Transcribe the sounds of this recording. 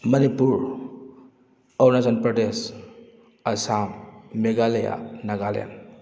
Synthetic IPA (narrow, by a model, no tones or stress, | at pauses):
mənipuɾ | ɔwnasanpɾɔdes | ɐsamːeɡaleja̰naɡalja̰n